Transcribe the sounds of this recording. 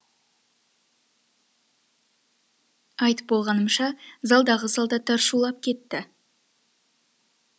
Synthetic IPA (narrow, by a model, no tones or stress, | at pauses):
ɑjt̪ə̥p̚bo̞lˠʁɑnəmʃɑzɑlˠd̪ɑʁəzɑlˠd̪ɑt̪ʰɑɾʃulˠɑp̚kʲʰe̞t̪ːɪ